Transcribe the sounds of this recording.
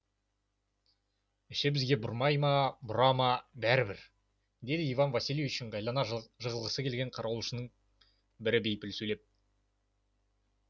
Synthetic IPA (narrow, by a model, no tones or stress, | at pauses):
ɪʃɪbɪzɡʲe̞bʊɾmɑjmɑbʊɾɑmɑbæɾɪbɪɾ | d̪e̞d̪ɪijvɑnvɑsiljeʏʃɪɴɡɑjlˠɑnɑʒəʁəlˠʁəsəkʲelɡʲe̞ɴqʰɑɾʔɑwlˠuʃənəɴ | bɪɾɪbe̞jpɪlsɵjle̞p̚